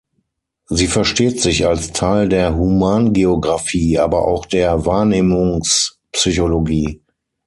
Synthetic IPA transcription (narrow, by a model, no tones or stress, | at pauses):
ziːfɛɐʃteːtz̥ɪçalstʰaɪldeːɐɦumaːnɡeoɡʁafiːʔaːbɐʔa̰ʊxd̥eːɐvaːɐneːmʊŋs | psyçoloɡiː